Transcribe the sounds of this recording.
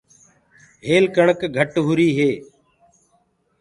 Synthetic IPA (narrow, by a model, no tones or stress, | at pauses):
ɦeːlkəɳəkɡʱəʈɦʊɾiːɦeː